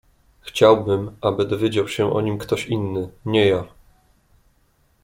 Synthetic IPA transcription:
xt͡ɕawbɘmʔabɘd̪ɔvʲjed͡ʑawɕɛʔɔ̰ɲimkt̪ɔɕinːɘɲɛja

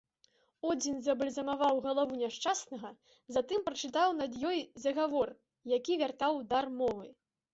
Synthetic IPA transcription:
ɔd͡zʲinzɐbɨlʲzɐmavawɣɐlˠavunʲaʂt͡ʂasnɐɣɐ | zat̪ɨmpɾɐt͡ʂɨt̪awnɐd̪jɔjzɐɣavɔr | jakʲivʲart̪awd̪armɔvɨ

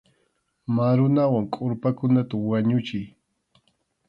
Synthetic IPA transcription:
maɾʊnawaŋkʼʊɾpakʊnat̪awaɲʊt͡ʃɪj

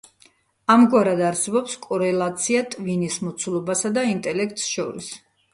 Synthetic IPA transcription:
amɡwaɾad̪aɾsɛbɔpskʼɔɾɛlˠat̪sʰiat̪ʼvinismɔt̪sʰulˠɔbasad̪aint̪ʼɛlɛk̚ʰt̪ʼsʃɔɾḭs

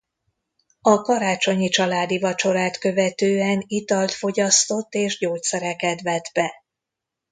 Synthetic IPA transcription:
ɒkɒɾaːt͡ʃo̞ɲit͡ʃɒlaːd̪ivɒt͡ʃo̞ɾaːt̪kø̞vɛt̪øːɛnit̪ɒlt̪fo̞ɟɒst̪o̞t̪ːeːʒɟoːtsɛɾɛkɛt̪vɛd̪bɛ

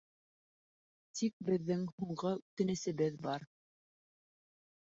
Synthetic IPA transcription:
t̪ʰik̚bɘ̆ðːɘŋhuɴɢɤʉt̪ɘ̆nɘ̆sɘ̆βɘðbɑɾ

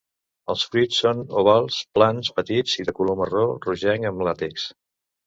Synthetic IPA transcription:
əlˠsfɾisːonuβalˠsplanspət̪iziðəkuloməroruʒɛŋəmlat̪iks

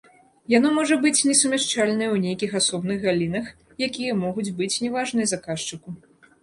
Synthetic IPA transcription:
janɔmɔʐɐbɨt͡sʲnʲɛsumʲaʂt͡ʂalʲnɐjwnʲejkʲixasɔbnɨɣɣalʲin̪ɐx | jakʲijɐmɔɣud͡zʲbɨt͡sʲnʲɛvaʐnɨjzakaʂt͡ʂɨku

